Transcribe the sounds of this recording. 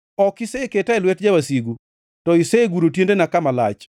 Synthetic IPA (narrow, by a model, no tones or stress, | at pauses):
ɔkɪseketaɛlwɛtd͡ʒawasiɡu | tɔiseeɡuɾotjendenakamala̰t͡ʃ